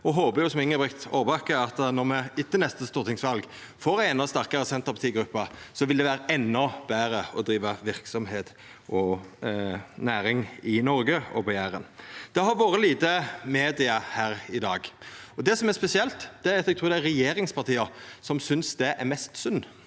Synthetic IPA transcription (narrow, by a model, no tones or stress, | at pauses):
ɔɦoːbəjʊsɔmɪŋːəbʁɛkt̪oːʋɑkəɑt̪nɔʁmɛɪt̪ːənɛst̪əst̪uːɾt̪ʰɪŋsʋɑlɡ | foːɾʁæɪɛnɔst̪æʁkɑʁəsɛnt̪ɑpʰɑt̪iːɡɾʉpːɑsɔʋɪld̪ɛʋæːɾəʔɛnːɔb̥æːɾəɔd̪ɾiːʋɑʋɪʁksɔmheːt̪ | ʔɔ | næːɾɪŋɪnɔɾɡəɔ̰pɑjæːɾənd̪̥ɛɦɑɾʋoːɾəliːt̪əmeːd̪ɪɑhæːɾɪd̪ɑːɡɔd̪ɛsɔmæspɛsɪɛlt̪d̪̥ɛæɾɑt̪ɛɡt̪ʰɾuːd̪ɛæɾɛjeːɾɪŋspʰɑʁt̪ʰiːɑsɔmsʏnsd̪ɛʔæɾmɛst̪sʉnː